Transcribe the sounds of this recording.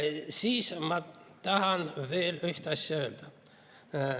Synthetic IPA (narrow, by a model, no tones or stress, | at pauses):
siːsmɑ | t̪ɑhɑnveːlyht̪ɑsːøːlt̪æ